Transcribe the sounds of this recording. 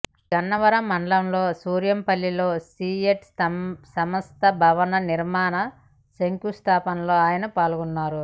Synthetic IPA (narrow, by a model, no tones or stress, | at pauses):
ɡɐnːɐʋɐɾɐmːɐɳɖlɐmlo̞ːsuːɾjɐmpɐlːilo̞ːsiːeʈsɐmɐst̪ʰɐbʱɐʋɐnɐniɾmaːnɐ | sɐŋkust̪ʰaːpɐnlo̞ːaːjɐnɐpaːlɡunːaːɾu